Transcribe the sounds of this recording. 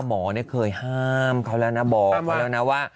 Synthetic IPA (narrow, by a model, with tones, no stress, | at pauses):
mɔː˩˦ni˥˩ɐkʰɤː˧jhaː˥˩mkʰa˧˥˩wlɛː˧˥˩wna˦˥bɔː˨˩kkʰːa˦˧wlɛː˧˥˩na˦˥waː˥˩